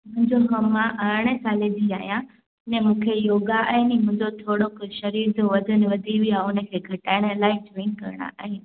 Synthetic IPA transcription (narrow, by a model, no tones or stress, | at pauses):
mʊ̃ɪ̃ɲd͡ʑoɦɐmãʔɐːɾɽ̃esaːled͡ʑiaːɦijã | nɛ̃mũːkʰejoːɡaʔɐ̃ːnimʊ̃ɦɪ̃ɲd͡ʑot̪ʰoːɽokʃɐɾiːɾd͡ʑoʋɐd̪ʱənɪ̆ʋɐd̪ʱiʋiãʊnə̆kʰeːɡʱɐʈaːɪɽ̃əlaːɪd͡ʑeŋkɐ̰ɾɪɽ̃a̰ʔa̰ːɦe